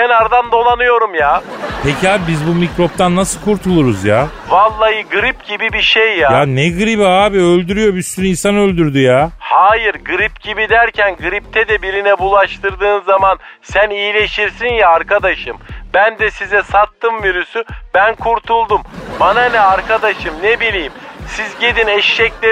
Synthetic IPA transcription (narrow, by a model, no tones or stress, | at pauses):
cʰenaɾd̪and̪o̞lˠanɯjo̞ɾumjaːpʰecʰiaːbibizbumicɾo̞p̚t̪ʰanːasɯlˠkʰuɾt̪ʰulˠuɾuzjaː | valˠːajɯɡɯɾipɟibibiʃejːajanɛɡɯɾibɦaːbiølʲd̪yɾyjo̞byst̪ʰyninsanølʲd̪yɾd̪yjaːhaːjiɾɡɯɾipɟibid̪æɾcʰænɡɯɾip̚t̪ʰɛd̪ɛbiɾinɛbulˠaʃt̪ʰɯɾd̪ɯːnzaman | sænijːlʲe̞ʃiɾsinjaːɾkad̪aʃɯmbænd̪ɛsizɛsat̪ːɯmviɾysybænkʰuɾt̪ʰulˠd̪umbananɛaɾkʰad̪aʃɯmnebilʲiːmsizɟe̞d̪inɛʃːɛclʲe